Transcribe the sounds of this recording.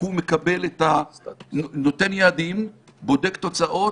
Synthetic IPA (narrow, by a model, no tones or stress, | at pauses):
humekabe̞let̪anno̞t̪e̞njeːd̪im | bo̞de̞ɡt̪o̞t͡saʔo̞